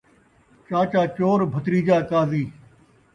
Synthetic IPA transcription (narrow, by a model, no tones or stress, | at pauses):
t͡ʃaːt͡ʃaːt͡ʃoːɾbʱət̪ɾiːd͡ʒaːkaːziː